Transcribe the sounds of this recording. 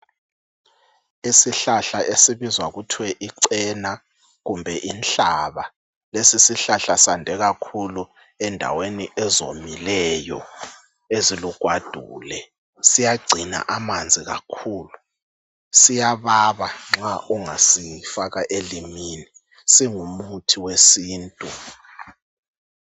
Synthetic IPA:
isiɬaɬaʔesiβizwaɣutʰwɛʔiǀɛna | ɣumbʱɛʔint͡ɬaβa | lesisiɬaɬasandʱɛɣakʰulu | ɛndʱa̰weniʔɛzomilɛjɔ | eziluɡ̥ʱwad̥ʱuːlɛ | sijaɡ͡ǀʱina̰ʔamand͡zʱiɣa̰kʰuːlu | sijaβaβaŋ͡ǁaʔɔŋasijifaɣaʔelimini | siŋumutʰiwesiːntʼu

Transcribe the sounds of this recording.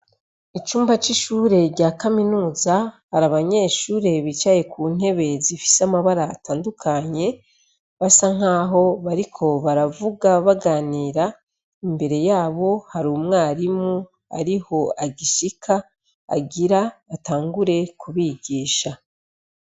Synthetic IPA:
it͡ʃuːmbat͡ʃiʃuɾe̞ɾɟaːkaminuːzahaɾaβaɲe̞ːʃuːɾe̞βit͡ʃaje̞kuːn̥he̞βe̞zifi̥samaβaɾaːtaːndukʰaɲe̞ | βasaŋ̥aːɦo̞βaɾikʰo̞βaɾavuɡaβaɡaːniːɾa | imbe̞ɾe̞jaːβo̞haɾuːmŋaːɾimu | a̰ɾiho̞aɟiʃikʰa̰ː | ɡiɾaːtaːŋɡuɾe̞kuβiɡiːʃa

